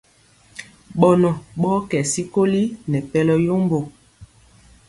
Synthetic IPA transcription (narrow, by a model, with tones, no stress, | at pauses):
ɓɔ˨nɔ˨ɓɔ˦kɛ˨si˦ko˦li˦nɛ˨pɛ˦lɔ˦jo˦mbo˨